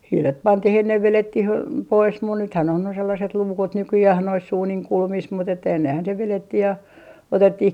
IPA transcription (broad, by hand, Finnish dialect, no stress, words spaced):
hiːlet pɑntih enːeʋ ʋeletːih pois mun nythæn on ne selːɑset luːkut nykyjæh nois uːniŋ kulmis mut etːæ enːehæn se ʋeletːih jɑ otetːih